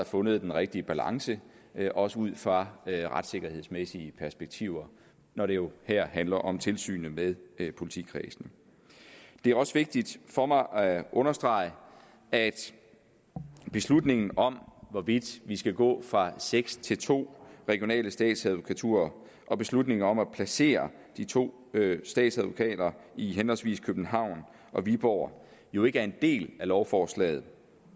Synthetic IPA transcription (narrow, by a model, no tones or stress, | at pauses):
ɑfɔ̽nəð̞̩ˠd̥enʁeɡ̥̚d̥iəb̥ælɑ̈ŋsə | ʔɒ̽səuð̞̰ˠfʁɑ̈ʁa̰d̥se̝ɡ̥ɐhe̝ð̞̰ˠsmesiəpʰæɐsb̥eɡ̥̚t͡sʰiʊ̰ɐ | nɒɾ̥e̝jo̝hæɐ̰hænlɐʔɒ̽mt͡sʰe̝lsy̰ːnəmeðˠpʰo̝li̥t͡sʰḭkʰʁɛːsn̩ | d̥e̝æɐɒ̽səʋe̝ɡ̥̚d̥id̥fɒ̽mɑ̈ɪʔʔɔ̽nɐsd̥ʁɑ̈ɪ | æd̥ | b̥e̝slud̥ne̝ŋn̩ɒ̽mʋɒʋid̥ʋisɡ̥æɡ̥ɔ̰̽ːfʁɑ̈seɡ̥st͡sʰe̝lt͡sʰo̝̰ːʁɛɡ̥jo̝nɛ̰ːləsd̥ɛ̰ːd̥sæðˠʋo̝kʰæt͡sʰṵːɐ | ʔɒ̽b̥e̝slud̥ne̝ŋɐɒ̽mæpʰlæse̝̰ːɐ | d̥it͡sʰo̝̰ː | sd̥ɛ̰ːd̥sæð̞ˠʋo̝kʰɛ̰ːd̥ɐiɦenɒlsʋḭːskʰøb̥n̩ɦɑ̈ʊ̰n | ʔɒ̽ʋib̥ɒʊ̰ɐ | jo̝e̝ɡəæɐe̝nd̥e̝̰ːlælɒʊfɒːslɛ̰ːð̩ˠ